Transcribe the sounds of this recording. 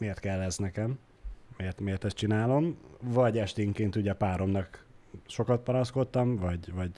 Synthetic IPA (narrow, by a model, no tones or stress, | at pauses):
meːrt̪̚kɛlːɛznɛkɛm | meːrt̪meːrt̪ɛst̪t͡ʃinaːlo̞mvɒɟɛʃt̪eŋkeːnt̪uɟɛpaːɾo̞mnɒkʃo̞kɒt̪̚pɒnɒsko̞t̪ːɒmvɒɟvɒɟ